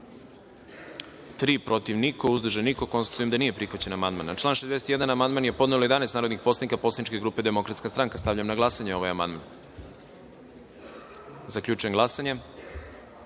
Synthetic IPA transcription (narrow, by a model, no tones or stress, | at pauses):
t̪ɾiːpɾo̞t̪iʋniko̞uzd̪rʒenikoko̞nst̪at̪ujemd̪aniːje̞pɾixʋat͡ɕe̞namand̪manat͡ʃlˠaːnʃezd̪eset̪jed̪anamand̪manje̞po̞d̪nelojeanest̪naːɾod̪nixpo̞slˠatnikapo̞slanit͡ʃke̞ɡɾuːpe̞d̪e̞mo̞kɾat̪skast̪ɾaŋkast̪aʋʎamnaɡlˠasaɲeo̞ʋajama̰nd̪man | zakʎuːt͡ʃujemɡlˠasaɲe